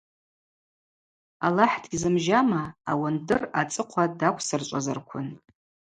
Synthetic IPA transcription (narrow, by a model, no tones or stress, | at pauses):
alaħdɡʲizɨmʒamaːwandɨrat͡sʼɨqʷʰadakʷʰsɨrt͡ʃʷʼazarkʷʰʊn